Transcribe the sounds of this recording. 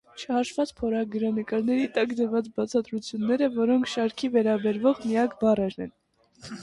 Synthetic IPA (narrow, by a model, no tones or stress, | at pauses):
t͡ʃʰəhɑʃvɑt͡spʰɔɾɑɡəɾɑnəkɑɾnɛɾit̪ɑkd̪əɾvɑt͡sbɑt͡sʰɑt̪ɾut͡sʰjunːɛɾəvɔɾɔŋkʰʃɑɾkʰivɛɾɑbɛɾvɔʁmijɑkʰbɑrɛɾnɛn